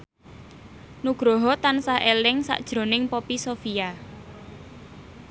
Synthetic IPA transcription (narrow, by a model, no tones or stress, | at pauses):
nuɡ̥ɾɔɦɔt̪ansaɦelɪŋsa̰ʔd̥ʒ̥ɾo̤nɪŋpopisofija